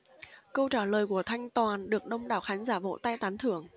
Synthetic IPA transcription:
kə˧wt͡ɕaː˧˩ləː˨˩jku˧˩ət̪ʰa˧jŋ̟t̪waː˨˩nɗɨ˨˩ək̚ɗə˧wŋ͡mɗaː˨˩wxaː˨˦nzaː˧˩vo̰˧˥t̪a˧jt̪aː˨˦nt̪ʰɨ˧˩əŋ

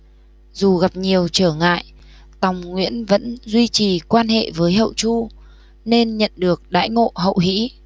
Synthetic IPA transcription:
zu˨˩ɣa˨˩p̚ɲi˨˩əwt͡ɕəː˧˩ŋa̰ː˧˨j | t̪a˨˩wŋ͡mŋwḭ˧˥ənvə̰˧˥nzwi˧t͡ɕi˨˩kwaː˧nɦḛ˧˨vəː˨˦jɦə̰˧˨wt͡ɕu˧ | ne˧nɲə̰˧˨nɗɨ˨˩ək̚ɗa̰ː˧˥jŋo̰˧˨ɦə̰˧˨wɦḭ˧˥

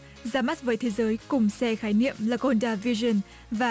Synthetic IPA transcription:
zaː˨˦ma˦˥t̚vəː˨˦jt̪ʰe˨˦zəː˨˦jkʊ˨˩ŋ͡msɛ˧xaː˨˦jnḭ˧˨əmlə˨˧ɣɔ˧ndaː˧vi˧zə˧˩n | vaː˨˩

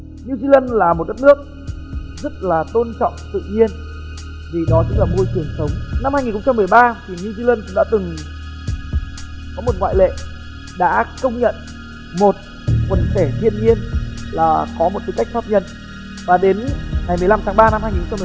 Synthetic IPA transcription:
ɲu˧zi˧lə˧nlaː˨˩mo˨˩t̚ɗə˦˥t̚nɨ˦˥ək̚ | zə˦˥t̚laː˨˩t̪o˧nt͡ɕɔ̰˧˨wŋ͡mt̪ɨ̰˧˨ɲi˧ən | vi˨˩ɗɔ˨˦zɨ˦˥t̚laː˨˩mo˧jt͡ɕɨ˨˩əŋsə˨˦wŋ͡mna˧mhaː˧jŋi˨˩xə˧ŋ͡mt͡ɕa˧mːɨ˨˩əjɓaː˧t̪ʰi˨˩ɲu˧zi˧lə˧nkʊ̰˧˥ŋ͡mɗa̰ː˧˥t̪ɨ˨˩ŋ | kɔ˨˦mo˨˩t̚ŋwa̰ː˧˨jlḛ˧˨ | ɗa̰ː˧˥kə˧wŋ͡mɲə̰˧˨n | mo˨˩t̚ | kə˨˦ntɛ˧˩t̪ʰḭ˧˨ənɲi˧ənlaː˨˩kɔ˨˦mo˨˩t̪̚i˨˦ka˦˥jk̚faː˦˥p̚ɲə˧n | vaː˨˩ɗe˨˦nŋa˨˩jm˨˩la˧mt̪ʰaː˨˦ŋɓaː˧na˧mhaː˧jɲi˨˩˨xŋ͡mt͡ɕa˧mː˨

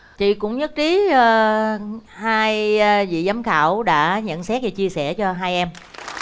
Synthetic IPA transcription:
t͡ɕḭ˧˨kʊ̰˧˥ŋ͡mɲə˦˥t̚t͡ɕiː˨˦˨ | haː˧jvḭ˧˨zaː˨˦mxaː˧˩wɗa̰ː˧˥ɲə̰˧˨nsɛ˦˥t̚ve˨˩t͡ɕi˧əsɛ˧˩t͡ɕɔ˧ɦaː˧jʔɛ˧m

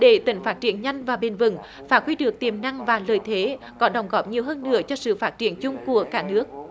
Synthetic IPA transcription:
ɗe˧˩t̪i˨˩ŋ̟faː˦˥t̚t͡ɕḭ˧˩ənɲa˧jŋ̟vaː˨˩ɓe˧˩nvɨ̰˧˩ŋ | faː˧˩kwi˧ɗɨ˨˩ək̚t̪i˨˩əmna˧ŋvaː˨˩ləː˨˩jt̪ʰe˨˦ | kɔ˨˦ɗə˨˩wŋ͡mɣɔ˨˥p̚ɲi˨˩əwɦəː˧nːɨ̰˧˥ət͡ɕɔ˧sɨ̰˧˨faː˦˥t̚t͡ɕḭ˧˩ənt͡ɕʊ˧ŋ͡mku˧˩əkaː˦˥nɨ˦˥ək̚

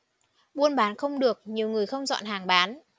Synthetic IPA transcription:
ɓu˧ənɓaː˨˦nxə˧wŋ͡mɗɨ˨˩ək̚ɲi˨˩əwŋɨ˨˩əjxə˧wŋ͡mzɔ̰˧˨nɦaː˨˩ŋɓaː˨˦n

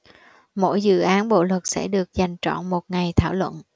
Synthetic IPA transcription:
mo̰˧˥jzɨ̰˧˨ʔaː˨˦nɓo̰˧˨lwə˨˩t̚sɛ̰˧˥ɗɨ˨˩ək̚za˨˩jŋ̟t͡ɕɔ̰˧˨nmo˨˩t̚ŋa˨˩jt̪ʰaː˧˩wlwə̰˧˨nʔ

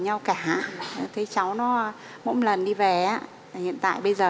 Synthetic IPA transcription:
ɲa˧wkaː˧˩aː˧˨˩t̪ʰe˨˦t͡ɕa˨˦wnɔ˨˦˧ | mo̰˧˥nlə˨˩nɗi˧vɛ˨˩ʔaː˨˦ | hḭ˧˨ənt̪a̰ː˧˨jɓə˧jzəː˨˩

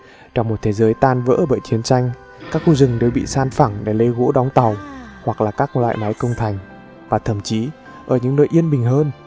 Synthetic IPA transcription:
t͡ɕɔ˧wŋ͡mmo˨˩t̚t̪ʰe˨˦zəː˨˦jt̪aː˧nvə̰ː˧˥˩ɓə̰ː˧˨jt͡ɕi˨˦ənt͡ɕa˧jŋ̟ | kaː˦˥k̚xu˧zɨ˨˩ŋɗə˧wɓḭ˧˨saː˧nfa˧˩ŋɗe˧˩lə˨˦jɣo̰˧˥ɗɔ˨˦wŋ͡mt̪a˨˩whwa˨˩k̚laː˨˩kaː˦˥k̚lwa̰ː˧˨jma˨˦jkə˧wŋ͡mt̪ʰa˨˩jŋ̟ | vaː˨˩t̪ʰə˧˩˨mt͡ɕi˨˦ | ʔəː˧˩ɲɨ̰˧˥ŋnə̰ː˧˨jʔi˧ənɓï˨˩ŋ̟ɦəː˧n

